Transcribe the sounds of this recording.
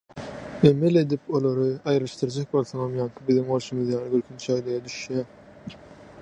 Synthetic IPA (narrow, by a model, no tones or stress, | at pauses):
emele̞d̪ipʰolˠoɾɯɑjɾɯʃt̪ɯɾd͡ʒek̚bo̞lˠθoŋɑmjɑŋkʰɯbiðiŋo̞ɾʃumɯðjɑːnɯɡøɾkʰynt͡ʃʰæjleɾɛd̪yʃjæ